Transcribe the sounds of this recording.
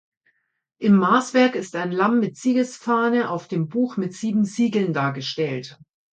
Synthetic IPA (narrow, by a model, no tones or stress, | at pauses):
ʔɪmːaːsv̥ɛɐkɪstaɪnlamːɪtz̥iːɡəsfaːnəʔaʊfd̥eːmbuːxmɪtz̥iːbm̩ziːɡl̩ndaːɐɡəʃtɛlt